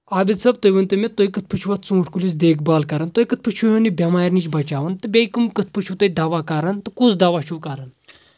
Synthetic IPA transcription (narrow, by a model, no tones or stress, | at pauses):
aːbid̪sɐb̚t̪ojʋɐnt̪ɨmʲet̪oːjkɨt̪̚ʰpɨt͡ʃʰuʋɐt̪̚ʰt͡sũːʈʰkulis̬d̪eːkʰbaːlkɐɾɐnt̪ojkɨt̪̚ʰpɨt͡ʃʰujonibʲɐmaːjɾnit͡ʃbɐt͡ʃaːʋɐnt̪ɨbʲejkɨmkɨt̪̚ʰpɨt͡ʃʰut̪ojd̪ɐʋaːkɐɾɐnt̪ɨkusd̪ɐʋaːʃʰukɐɾɐn